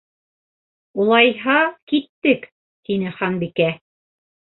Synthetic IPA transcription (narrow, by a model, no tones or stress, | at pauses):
ulˠɑjɦɑkit̪ːɘk | t̪inɘχɑnbikæ